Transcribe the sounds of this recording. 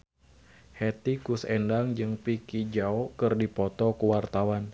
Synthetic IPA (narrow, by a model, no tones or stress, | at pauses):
hɛt̪ikusɛndaŋd͡ʒɨŋpikid͡ʒaɔkɨrdipɔt̪ɔkuwart̪awan